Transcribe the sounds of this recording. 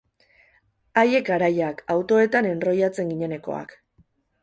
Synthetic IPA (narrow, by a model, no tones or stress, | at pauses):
aje̞kaɾajakawt̪o̞e̞t̪ane̞nro̞jat͡se̞ŋɡiɲe̞ne̞ko̞̰a̰k